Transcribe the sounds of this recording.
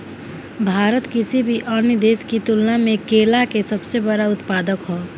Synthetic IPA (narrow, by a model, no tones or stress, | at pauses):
bʱaːɾət̪kɪsibʱiʔənəd̪eːskit̪ʊlnamẽkeːlakesəbsebəɽaʊt̪paːd̪əkɦoː